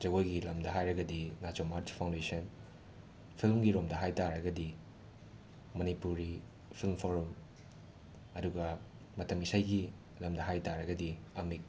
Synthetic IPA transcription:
d͡ʒɐɡojɡilɐmdɐɦajɾɐɡɐdinat͡ʃomaɾt͡ʃpʰaw̃ndesɐn | pʰilmɡiɾomdɐɦajtaɾɐɡɐdi | mɐnipuɾi | pʰilmpʰoɾum | ɐduɡɐ | mɐtɐmisajɡi | lɐmdɐɦajtaɾɐɡɐdiɐmik̚

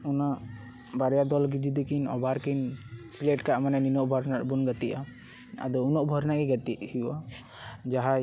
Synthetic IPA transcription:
una | baɾɛjad̪ɔlɡid͡ʒ̪id̪ikinɔ̰baɾkinsilɛʈkaʔmanɛninɔʔbʱɔɾnaɾbunɡat̪iʔa | a̰d̪ɔunɔʔbʱɔɾnakiɡat̪iʔhiʔa | d͡ʒaɦa

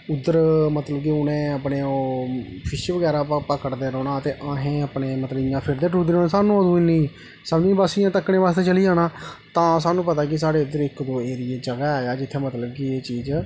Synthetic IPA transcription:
ʊd̪ːəɾmət̪ləbkiʊnẽːəpneːoː | pʰɪʃiʋəɡɛːɾaːpəkːəʈd̪eːɾɔːnaːət̪eːʔãːɦẽːəpneːmət̪ləbɪjãːpʰɪɾd̪eːʈɾuːd̪oːnẽːsaːnũoːd̪ũːɪnĩː | səbd͡ʒĩːbaːsɪjãːt̪əkːɳẽːʋaːst̪eːt͡ʃəliːaːnaːt̪ãːsaːnũːpət̪aːk̬ɪs̬aːɽeːʊd̪əɾɪkd̪oːeːɾɪeːd͡ʒəɡaːaːjaːd͡ʒɪt̪ʰːeːmət̪ləbkieːt͡ʃiːd͡ʒ

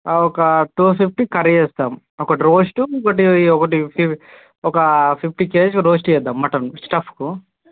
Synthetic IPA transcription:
ɔkɐʈuːpʰip̚ʰʈikɐɾiesd̪am | ɔkɐʈiɾoːsʈukɐʈ̬iɔkɐʈipʰi | ɔkɐpʰip̚ʰʈikeːskuɾoːsʈiɛd̪amːɐʈɐnsʈɐpʰku

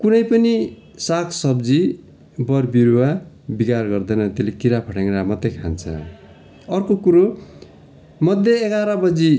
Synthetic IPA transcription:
kunʌjpʌni | sakʰsʌbd͡zi | bʌrbiɾuwa | bikarɡʌrd̪ʌjnʌt̪elekiɾapʰʌʈeŋɾamʌt̪ːekʰa̰nt͡sʰʌ̰ | ʌrkokuɾo | mʌd̪ʱjʌeɡaɾʌbʌd͡zi

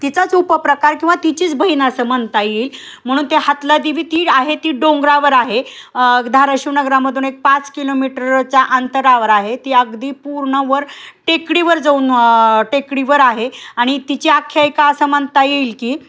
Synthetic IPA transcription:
t̪it͡sat͡supəpɾəkaɾkĩw̃ʋat̪it͡ɕiːt͡sbʱəɦiːnasəmənt̪ajiːl | m̤əɽ̃uːnt̪ehat̪lad̪iʋiːt̪iːaɦet̪iːɖoŋɡɾaʋəɾaɦe | d̪ʱaɾaɕinəɡɾaməd̪ʱuːnek̚pat͡skilomiʈəɾt͡ɕjaʔənt̪əɾaʋəɾaɦet̪iːəɡd̪iːpuɾɳəʋəɾʈekɽiʋəɾd͡zəuːnʈekɽiʋəɾaɦeaɽ̃it̪it͡ɕiakʰjajkaəsəmənt̪ajiːlkiː

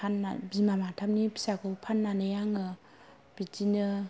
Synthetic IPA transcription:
anːa̰bimamatʰamnipʰi̥sakɯpʰanːanɯjaŋɯ | b̥itinɯ

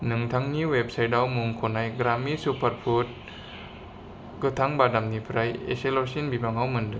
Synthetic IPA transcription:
nɯŋt̪ʰaŋniwep̚sajdawmuŋkʰonajɡɾamːisupʰarpʰut̪̚ | ɡɯt̪ʰaŋbadamnipʰɾajḛsalosinbibaŋhawmɯndɯ

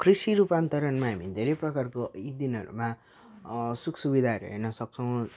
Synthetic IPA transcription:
krisiɾupant̪ʌɾʌnmaɦamid̪ʱeɾejprʌkarkoid̪inɦʌ̰ɾṵma | sukʰsubid̪ʱaɾʌ̰ɦʌ̰nʌsʌk̚t͡sʰʌw̃

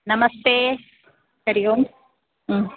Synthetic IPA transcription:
nɐmɐst̪e | sɐɾɪjomː

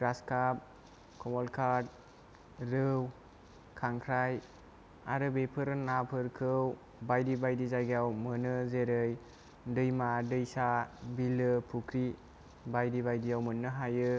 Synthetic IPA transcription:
kɾaskap̚ | kʰɔmɔlkʰad̚ | ɾɯw | kʰaŋkʰɾaj | a̰ɾɯbepʰɯɾɯnapʰɯɾkʰɯw | bajdibajdizajɡawmɯnɯzeɾɯj | dɯjmadɯjsabilɯpʰukʰɾi | bajdibajdijawmɯnːɯɦajɯ

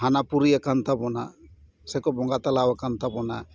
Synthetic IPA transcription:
ɦanapuɾijakant̪abɔna̰ | sɛkɔbɔŋɡat̪alawakant̪abɔna

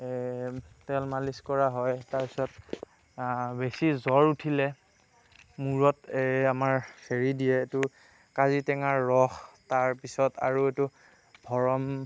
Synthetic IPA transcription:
tɛlmaliskɔɹaɦɔjtaɹpi̥sɔt | besizɔɹutʰilɛ | muɹɔtamaɹkʰeɹidijɛːtu | kazitɛŋaɹːɔxtaɹpisɔta̰ɹuetu | bʱɔɹɔm

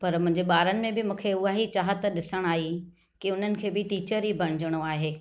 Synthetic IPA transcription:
pɐɾmʊ̃ɦɪ̃ɲd͡ʑeɓaːɾənɪ̆mẽbɪmũːkʰeʊaɦit͡ɕaːɦət̪ɗɪsəɽ̃aːɦi | kɪʊn̤ənɪ̆kʰeːbɪʈiːt͡ɕəɾibʱɐɽ̃ɪd͡ʑəɽ̃oaːɦeː

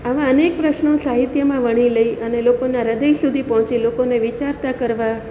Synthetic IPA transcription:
aʋãənek̚pɾəʃnõsaɦit̪jəmãʋəɽ̃iləiʔənelokonaɾəd̪əisud̪ʱipəɦɔ̃t͡ʃilokoneʋit͡ʃaɾt̪akəɾʋa

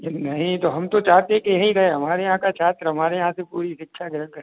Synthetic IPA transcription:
nɐɦĩt̪oɦɐmt̪ot͡ʃaːɦt̪eɦẽkejɐɦĩɾɐɦeɦɐmaːɾejɐɦãkat͡ʃʰaːt̪ɾɦɐmaːɾejɐɦãsepuːɾiʃɪkːʃʰaɡɪɾənkəɾ

